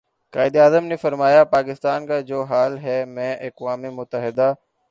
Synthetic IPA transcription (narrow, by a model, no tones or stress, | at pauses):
kaːɪd̪iaːzəmnefɐɾmaːjapaːkɪst̪aːnkad͡ʒoːɦaːlɦɛmɛ̃ːʔɐkʋaːmemʊt̪əɦɪd̪a